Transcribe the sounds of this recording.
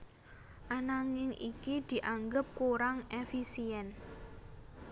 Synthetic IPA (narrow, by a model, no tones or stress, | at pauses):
ʔanaŋɪŋʔikid̪̥i̤ʔaŋɡəp̚kuɾaŋʔefisiɛn